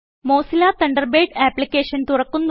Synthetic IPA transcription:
mo̞ːsilaːt̪ɐɳɖɐrbeːʈaːplikʲːeːʂɐnt̪urɐkːunːu

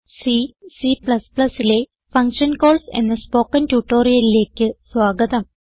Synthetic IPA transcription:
sisipɭɐspɭɐsile̞ | fɐŋkʂɐnko̞ːɭsḛnːɐspoːkːɐntuʈːoːɾijɐlile̞ːkʲːɨswaːɡɐd̪ɐm

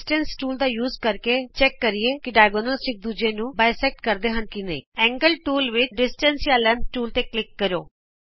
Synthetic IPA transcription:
sʈə̃nsʈuːld̪aːjuːzkəɾket͡ʃɛkːəɾieːkɪɖaːɪɡoːnəlsɪk̚d̪uːd͡ʒeːnũːbaːjsɛk̚ʈkəɾd̪eːɦənkɪnəḭ̃ːɛ̃ːŋɡəlʈuːlʋɪt͡ʃɖɪsʈənsiaːlənʈuːlt̪eːklɪkːəɾo̰ː

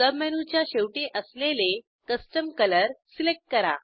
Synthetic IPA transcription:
səbmɛñut͡ɕjaɕewʈeʔəslele | kəsʈəmkələɾsilek̚ʈ̚kəɾa̰

